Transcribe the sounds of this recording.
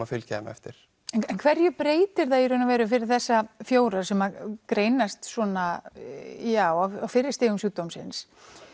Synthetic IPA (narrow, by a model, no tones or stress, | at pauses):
afɪlcʰɛ̰ma̰ɛ̰ft̪ɪɾ̥ | ɛnɛnkʰvɛɾjʏpɾeːjt̪ɪɾθaiɾʏnːavɛːɾʏfɪɾɪɾ̥θɛsːafjoːwɾaɾsɛmakɾeːjnast̪sɔna | jaːwaawfɪɾɪst̪iːɣʏmsuːt̪owmsɪ̰ns